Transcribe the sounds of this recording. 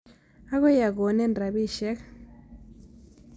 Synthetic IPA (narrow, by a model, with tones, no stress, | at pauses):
a˦ɣɔ˦ja˨ɣo˨nɛ˦ndra˨βi˦ʃɛ˦k